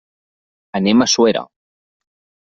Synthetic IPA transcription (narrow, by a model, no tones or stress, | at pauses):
anemasweɾa̰